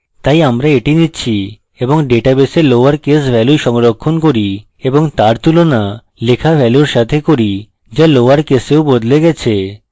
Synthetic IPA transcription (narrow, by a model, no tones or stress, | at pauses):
t̪ajamɾaeʈinitːɕʰi | eboŋɖeʈabeseloaɾkesbʱɛluʃɔŋɾokʰːonkoɾi | eboŋt̪aɾt̪ulona | lekʰabʱɛluɾʃat̪ʰekoɾi | d͡ʑaloaɾkeseobod̪leɡɛt͡ɕʰe